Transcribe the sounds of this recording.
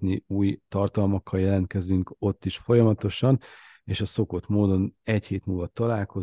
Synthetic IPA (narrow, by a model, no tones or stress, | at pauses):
niuːjt̪ɒrt̪ɒlmɒkːɒljɛlɛnt̪kɛzyŋko̞t̪ːiʃfo̞jɒmɒt̪o̞ʃɒn | eːʃɒso̞ko̞t̪moːd̪o̞nɛcheːt̪muːlvɒt̪ɒlaːlko̞